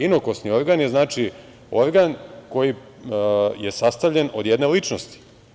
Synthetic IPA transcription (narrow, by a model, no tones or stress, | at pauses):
inoko̞snio̞ɾɡaːnje̞znaːt͡ʃi | o̞ɾɡanko̞ji | jesast̪aʋʎe̞no̞̰d̪jed̪ne̞lit͡ʃnost̪i̥